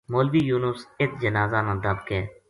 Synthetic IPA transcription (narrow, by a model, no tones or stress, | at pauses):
moːlʋiːjuːnʊsɪt̪̚d͡ʒənaːzaːnãːd̪əb̚keː